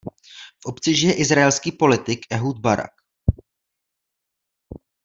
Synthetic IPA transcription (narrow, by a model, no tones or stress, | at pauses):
fʔo̞pt͡sɪʒɪjɛʔɪzɾaɛlskiːpo̞lɪt̪ɪkʔɛɦud̪̚baɾa̰k